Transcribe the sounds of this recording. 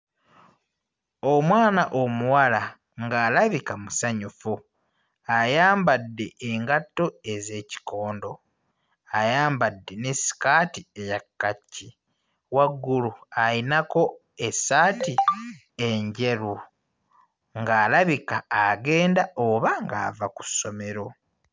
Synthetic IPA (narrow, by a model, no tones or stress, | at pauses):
omwaːnaʔo̞muwala | ŋɡaːlaβikamusaɲufu | ajaːmbadːe̞ʔeŋɡatːo̞e̞ze̞ːci̥ko̞ːndo̞ | ajaːmbadːe̞ne̞si̥kaːtie̞jakːacːi | waɡːuluajinako̞ | esaːti | eɲɟe̞ɾu | ŋɡaːlaβikaːɡe̞ːndaoβaŋɡa̰ːvaku̥so̞me̞ɾo̞